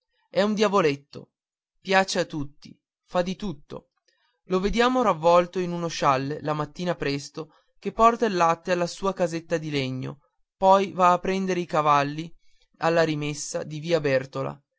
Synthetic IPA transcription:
ɛund̪javolet̪ːo̰ | pjaːt͡ʃeat̪ːut̪ːḭ | fad̪ːit̪ut̪ːo̰ | loved̪jaːmoɾavːɔlt̪oinunoʃalːelamat̪ːiːnapɾɛst̪o | k̟epːɔrt̪alːat̪ːealːasuːakazet̪ːad̪ileɲːo̰ | pɔjvaːpːɾɛnd̪eɾeikavalːi | alːaɾimesːad̪iviːabɛrt̪ola̰

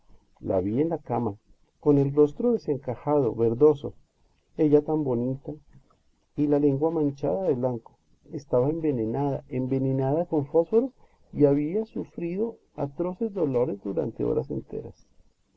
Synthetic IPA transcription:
la̰βienlakama | ko̞ne̞lro̞st̪ɾoðe̞se̞ŋkaxaðo̞βe̞ɾðo̞so̞̰ | e̞ʝat̪ambo̞nit̪a | ilale̞ŋɡwamãnt͡ʃa̰ðaðeβlaŋko | est̪aβaembe̞nenaða̰ʔembe̞nenaðako̞ɱfo̞sfoɾos | iaβiasufɾiðo̞ | a̰t̪ɾo̞se̞zd̪o̞lo̞ɾe̞zd̪uɾa̰nt̪e̞̰o̰ɾase̞̰nt̪e̞̰ɾas

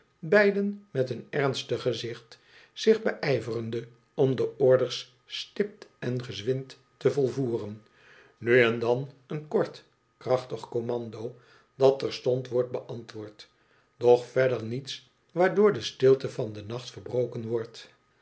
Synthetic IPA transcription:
bɛjdənmɛtənɛrnstəχəzɪχt | sɪχbəʔɛjvərəndə | ɔmdəɔɹdəɹsː | tɪp̚tɛnχəzʋɪntː | əvɔlˠvuːrən | nyɛndɑnənkɔɹt | krɑχtəχkomɑndo | d̥ɑtɛɹstɔntʋɔɹt̚bəʔɑntʋʊːɹt | d̥ɔχfɛdəɹnits | ʋaːɹdʊːɹdəstɪlˠtəvɑndənɑχtfəɹbrowkənʋɔɹt

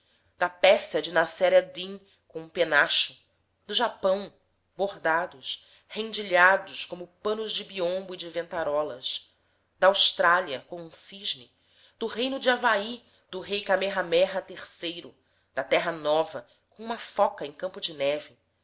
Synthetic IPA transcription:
d̪̥ɐpɛsɐd͡ʒɪnasɛɾiɐd̪ĩŋ | kõũpenaʃʊ | d̪ʊʒapɐ̃w̃ | boɦd̪ad̪ʊs | hẽd͡ʒiʎad̪ʊskõmʊpɐ̃nʊzd͡ʒɪbiõmbʊid͡ʒɪvẽnt̪aɾɔlɐs | d̪ɐːwʃt̪ɾaliɐkõũsiʒnɪ | d̪̥ʊɦejnʊd͡ʒɪavai | d̪ʊɦejkameɦamɛɦɐt̪eχsejɾʊ | d̪̥ɐt̪ɛɦɐnɔvɐ | kõũmɐfɔkɐẽkɐ̃mpʊd͡ʒɪnɛvi

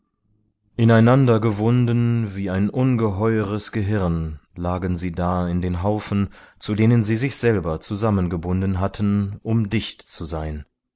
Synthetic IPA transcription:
ʔɪnaɪnandɐɡəvʊndənviːaɪnʔʊnɡəɦɔʏəʁ̞əsɡ̥əɦɪʁnlaːɡənziːdaːɪndeːnɦaʊfn̩t͡sudeːnənziːzɪçz̥ɛlbɐt͡suzamənɡəbʊndənɦatʰən̩ʔʊmdɪçtt͡suzaɪn

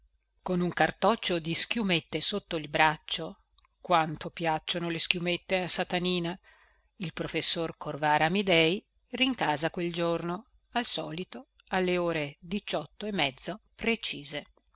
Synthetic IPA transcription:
konuŋkart̪ɔt͡ʃːod̪isk̟jumet̪ːesot̪ːoilbɾat͡ʃːo | kwant̪opjat͡ʃːonoleskjumet̪ːeasat̪aniːna | ilpɾofesːorkʰorvaːɾamid̪ɛj | riŋkaːzakweld͡ʒorno | alsɔːlit̪o | alːeoːɾed̪it͡ʃɔt̪ːoemːɛd̪zːopɾet͡ʃiːze

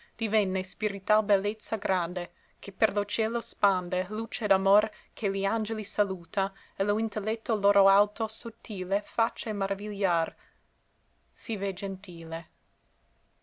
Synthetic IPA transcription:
d̪̥ivɛnːespiɾit̪albelːet̪sːaɡɾand̪e | kʰeperlot͡ʃɛːlospand̪elut͡ʃed̪amor | kʰeliand͡ʒelisaluːt̪a | eloint̪elːɛt̪ːoloːɾoalt̪osot̪ːiːlefat͡ʃːamaɾʔaviʎːar | sived͡ʒent̪iːle

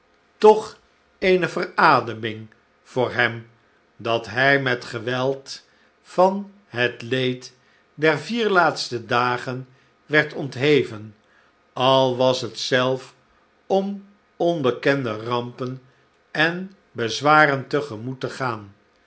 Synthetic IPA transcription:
tɔχ | ejnəvəraːdəmɪŋ | v̥ʊːɹɦɛm | dɑtɦɛjmɛtχəʋɛlˠt | fɑn | ɦətlejt | dɛɹviːɹlaːtstədaːχən | ʋɛɹtɔntɦejvən | ɑlˠʋɑsɦətsɛlˠf | ɔm | ɔnbəkɛndərɑmpən | ɛn | bəzʋaːrəntəχəmutəχaːn

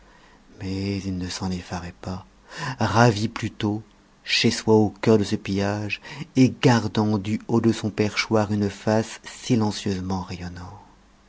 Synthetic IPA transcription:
mɛzilnəsɑ̃nefaʁɛpa | ʁaviplyt̪o | ʃeswaokœʁd̪əsəpijaʒeɡaʁd̪ɑ̃d̪yod̪əsɔ̃pɛʁʃwaʁynfasːilɑ̃sjøzmɑ̃ʁejɔnɔ̃ʁ

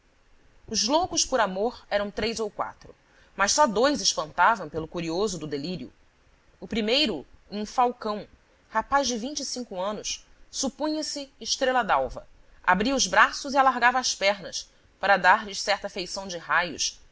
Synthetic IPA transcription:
ʊzlowkʊʃpʊɾamoɾɛɾɐ̃w̃t̪ɾejzowkwa̰t̪ɾʊ | mɐʃsɔd̪ojzɪʃpɐ̃nt̪avɐ̃w̃pelʊkuɾiozʊd̪ʊd̪eliɾiʊ̰ | ʊpɾimejɾʊũfawkɐ̃w̃ | hapazd͡ʒɪvĩɲt͡ʃisĩŋkʊɐ̃nʊssupũɲɐsɪːʃt̪ɾelɐd̪awvɐ̰ | a̰bɾiɐʊzbɾasʊzialaɾɡavɐːspɛɾnɐs | paɾɐd̪aɾʎɪʃsɛχt̪ɐfejsɐ̃w̃d͡ʒɪɦajʊ̰s

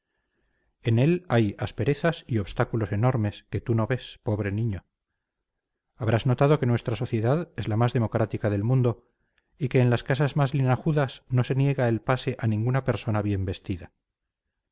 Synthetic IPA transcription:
e̞ne̞lajaspe̞ɾe̞θasio̞βst̪akulo̞se̞no̞ɾme̞ske̞t̪uno̞βe̞spo̞βɾe̞nĩɲo̞ | aβɾazno̞t̪að̞o̞ke̞nwe̞st̪ɾaso̞θje̞ðaðe̞zlamazðe̞mo̞kɾat̪ikaðe̞lmũnd̪o̞ | ike̞ːnlaskasazmazlinaɣuðasno̞se̞nje̞ɣaelpase̞ʔanĩŋɡunape̞ɾso̞naβje̞mbe̞st̪iða

